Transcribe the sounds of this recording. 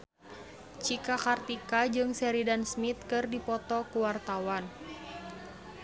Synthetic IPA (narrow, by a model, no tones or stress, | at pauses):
t͡ʃikakart̪ikad͡ʒɨŋsɛɾidansmit̪̚kɨrdipɔt̪ɔkuwart̪awan